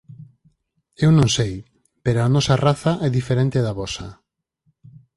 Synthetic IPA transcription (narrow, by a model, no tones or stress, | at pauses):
ewnõŋsej | peɾoanɔsaraθaʔɛðifeɾẽnt̪eðaβɔsa